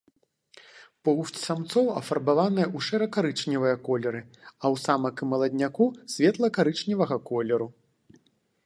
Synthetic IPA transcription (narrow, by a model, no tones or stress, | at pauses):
pɐuft͡sʲsamt̪sɔwɐ̰fɐrbavanɨjɐuʂɛɾɐkaɾɨt͡ʂnʲivɐjɐkɔlʲɛɾɨɐwsamɐkɨmɐlˠɐd̪ʲnʲakusʲvʲɛt̪lˠɐkaɾɨt͡ʂnʲivɐɣɐkɔlʲɛɾu